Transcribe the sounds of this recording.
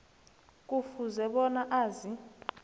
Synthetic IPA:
kʼufuzɛɓɔnaʔaːzi

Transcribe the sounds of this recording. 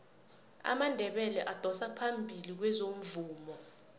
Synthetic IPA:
a̰mandʱɛɓɛlɛʔad̥ʱɔsapʰambʱilik̬wɛzom̩vuːmɔ

